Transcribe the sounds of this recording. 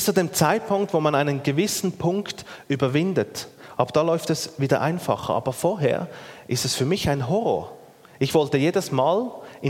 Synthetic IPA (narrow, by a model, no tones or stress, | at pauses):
st͡suːdeːmt͡saɪt̚pʰʊŋktvoːmanaɪnənɡəvɪsn̩pʰʊŋktʔyːbɐvɪndətʔaʊbd̥aːlɔʏftɛsviːdɐ̰ʔa̰ɪnfɑ̰χə̰ʔɑ̰ːbɐfoːɐɦḛːɐʔɪstɛsfyːɐmɪçaɪnɦɔʁo̰ːɐ | ʔɪçv̥ɔltəjeːdəsmaːlʔɪ